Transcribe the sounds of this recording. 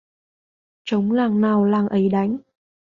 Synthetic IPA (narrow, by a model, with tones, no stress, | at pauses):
t͡ɕə˨˦wŋ͡mlaː˨˩ŋnaː˨˩wlaː˨˩ŋʔə˨˦jɗa˨˦jŋ̟